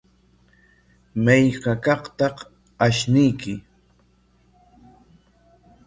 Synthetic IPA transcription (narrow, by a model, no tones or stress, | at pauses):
majkɑkɑχt̪ɑq | aʃnɪjkɪ